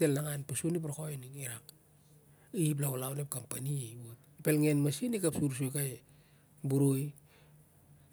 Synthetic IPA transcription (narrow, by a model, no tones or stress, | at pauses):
telːaŋanpasunipɾokoenikiɾak | ip̬laolawnep̚kampaniot̚ | pelŋenmasinikapsuɾs̬ujkaj | buɾuj